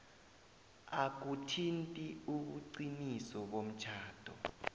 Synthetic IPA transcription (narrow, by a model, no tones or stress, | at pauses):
ak̬utʰintʼiuɓ̬uǀinisɔɓom̩t͡ʃʰaːd̥ʱɔ